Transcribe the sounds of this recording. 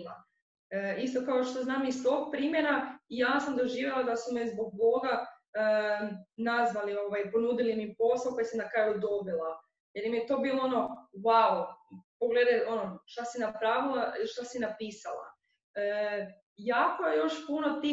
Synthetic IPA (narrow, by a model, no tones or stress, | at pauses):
la̰ | ist̪o̞kaoʃt̪o̞znaːmist̪o̞ɡ̚pɾimjeɾaijasamd̪o̞ʒiːʋʲjelˠad̪asumɛzbo̞ɡ̚bo̞ɡa | ə | nazʋalio̞ʋajpo̞nuːd̪ilimipo̞saoko̞jasamnakɾaːjud̪o̞bilˠa | jelimijet̪o̞biːlˠoono̞waupoɡle̞d̪ajo̞noʃt̪asinapɾaʋilˠaʃt̪asinapiːsalˠa̰ | ə | jaːko̞jejo̞ʃpuno̞t̪i